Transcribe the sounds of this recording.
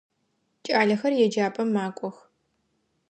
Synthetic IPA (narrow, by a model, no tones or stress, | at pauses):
t͡ʃʼaːɮɐxɐrjɛd͡ʒaːpʼɐmːaːkʷʼɔx